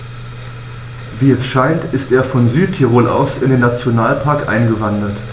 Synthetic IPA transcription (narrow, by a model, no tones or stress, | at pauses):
viːɛsʃaɪntʔɪstʔeːɐfɔnzyːtʰːiʁoːlʔa̰ʊsɪndeːnat͡sjonaːlpʰaɐkʔa̰ɪnɡəvandɐt